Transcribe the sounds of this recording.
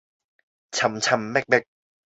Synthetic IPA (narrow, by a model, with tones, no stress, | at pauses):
t͡ɕʰa˧mt͡ɕʰa˧mːɛ˥˩k̚bɛ˦˥˩k̚